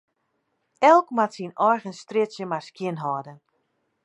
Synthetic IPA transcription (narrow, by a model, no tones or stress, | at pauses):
ɛlˠkmatsinɔjɣənstrɪtsjəmarskjɪnɦɔːdən